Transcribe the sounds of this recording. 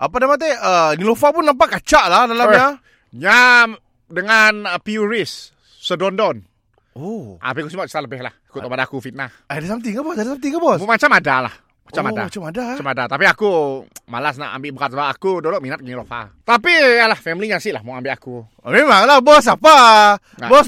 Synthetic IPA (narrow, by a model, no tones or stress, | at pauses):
ʔəpadamat̪̬eənilofapʊnːampaʔkat͡ʃaʔlahdalamɲa | ɲa | dəŋanəpiuɾisː | ədɔndɔn | oʔa̰pikusimaʔt͡ʃi̥t̪aləbɪhlahakut̪ɔbadaakufit̪̚nahadasamt̪iŋabɔsadasamt̪iŋabɔsmat͡ʃamadala̰h | mat͡ʃamada̰madaat͡ʃamadat̪apiakumalasna̰ʔa̰mbɪʔbəkat̪̚səbaakudolɔʔminat̪̚nilofa̰t̪apijalahfɛmliɲasiʔlahmɔŋambɪʔaku | memaŋlabɔs̬apa | abɔ